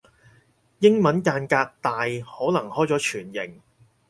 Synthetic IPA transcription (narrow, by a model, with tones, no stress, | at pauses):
jɪ˥ŋmɐ˨˥nkaː˧nkaː˧k̚t̪aː˨jhɔː˨˥nɐ˨˩ŋhɔː˥jt͡sɔː˨˥t͡ʃʰyː˨˩njɪ˨˩ŋ